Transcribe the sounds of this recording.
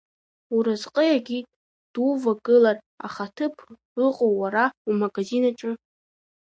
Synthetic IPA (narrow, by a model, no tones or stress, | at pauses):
uɾazqʼəjaɡʲi | d̥uvaɡɨlar | a̰χatʰɨpʰ | ɨqʼowːaɾaumaɡazinaʈ͡ʂʼɨ